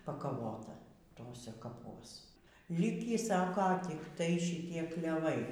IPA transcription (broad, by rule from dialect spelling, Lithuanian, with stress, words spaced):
pɐkɐˈʋoːtɐ ˈtoːsʲɛ kɐˈpuɔs ˈlʲɪkʲiː ˈsɑːkoː tʲɪkˈtɐɪ ʃʲɪˈtʲiɛ klʲɛˈʋɐɪ